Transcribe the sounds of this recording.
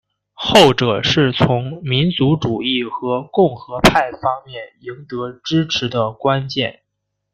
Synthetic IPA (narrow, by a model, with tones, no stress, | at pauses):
xo˥˩ʊʈ͡ʂɤ˨˩ʂɻ̩˥˩t͡sʰʊ˧˥ŋmi˧˥nt͡su˧˥ʈ͡ʂu˨˩i˥˩xɤ˧˥kʊ˥˩ŋxɤ˧˥pʰa˥˩ɪfɑ˥ŋmjɛ˥˩ni˧˥ŋt̪ɤ˧˥ʈ͡ʂɻ̩˥ʈ͡ʂʰɻ̩˧˥d̪ə˧kwa˥nt͡ɕjɛ̰˥˩n